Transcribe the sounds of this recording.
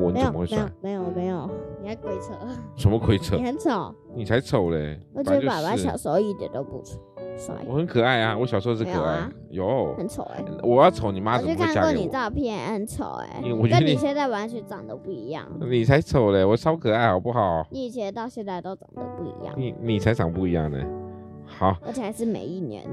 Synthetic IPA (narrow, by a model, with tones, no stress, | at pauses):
wɔ̰˧˥n˧˥˧ə˦xwe˥˩˦wa̰˥˩me˧˥ɪjo˨˩me˧˥ɪjo˨˩ʊni˨˩a˥˩ɪkwe˥ɪt͡sʰɤ˥˧˨ʂə˧˥nmə˧kʰwe˥ɪt͡sʰɤ˧˩xə˧˦nt͡sʰo˨˦ʊ | ni˨˩t͡sʰa˧˥ɪt͡sʰo˨˩˦ʊləɛ̰˨˧˩wɔ˨˩t͡ɕo˥pa˨˩wa˧˥nɕjɑ˨˩ʊʂo˧˥ʊi˥˩t̪ə̰˨˩t̪o˥ʊpṵ˥˩t͡sʰu̥˥swa̰˥˩wɔ˧˩xə˧˦nkʰɤ˨˩a˥˩ɪa˨˩wɔ˧˥ɕjʂo˥˧ʂ̩ʰ˥˧ɤ˨˩a̰˥˩ɪ | jo˧˥˦xə˧˥nt͡sʰo˨˩˦ḛ˧˦wʔɔ˨˩jɑ˥˩ʊt͡sʰo˨˧˦ʊni˨˩ma˦˥˨kʰa˥kwɔ˥˩˨ni˨˩t͡sɑ˥˧ʊpʰjɛ˥˩n˧˥xə˧˦˥nt͡sʰo̰˨˩˦ʊḛ˧˦ni˨˧wɔ˨˩t͡ɕɥə˥˩˦ni˨˩ɕjɛ˥˧nt͡sa˥˩ɪwa˧˥nt͡ɕʰy˥nt͡sɑ˨˩ŋd̪ə˦pu˥˩i˧˥jɑ̰˥˩ŋni˨˩t͡sʰa˧˥ɪt͡sʰo˨˩˦ʊle˧˩wɔ˨˩t͡sʰɑ˥ʊkʰɤ˨˩a˥ɪxɑ˨˩ʊpu˥˩xɑ˨˩ʊni˧˩˨t͡ɕʰɛ˧˥˧t̪ɑ˥˧ʊɕjɛ˥˧nt͡sa˥˧ɪt̪o˥ʊt͡sɑ˨˩ŋd̪ə̰˧˦pu˥˩ḭ˧˥jɑ̰˥˩ni˨˩ni˨˩t͡sʰa˧˥ɪt͡sɑ˨˩ŋpu˥˩i˧˥jɑ̰˥˩ŋḛ˨˩ | xɑ˨˩˦ʊə˧˥t͡ɕʰɛ˨˩˧ɪʂɻ̩˥˩mḛ˨˩˦ɪi˥˩njɛ̰˧˥˦n